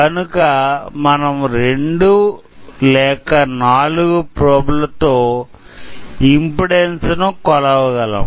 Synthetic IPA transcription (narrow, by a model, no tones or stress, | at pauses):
kɐnukɐmɐnɐmɾeɳɖu | lɛːkɐnaːluɡupɾoːblɐt̪oː | impiɽensnukɔlɐʋɐɡɐlɐ̰m